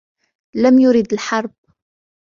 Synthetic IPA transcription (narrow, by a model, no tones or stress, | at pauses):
læmjʊɾid̪əlħɑɾˤb̚